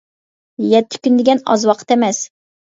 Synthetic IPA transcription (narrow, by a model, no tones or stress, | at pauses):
jɛt̪ʰːɪ̥kʲynd̪ɪɡʲɛnɑ̰zwɑqʰə̥t̪ɛmɛs